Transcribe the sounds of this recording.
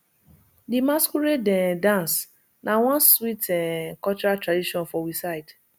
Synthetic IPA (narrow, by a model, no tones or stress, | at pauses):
dimaskuɾedɛdãns | nʔawɔ̃nswitɛkɔt͡ʃɔɾatɹadiʃɔ̃nfɔwisaɪd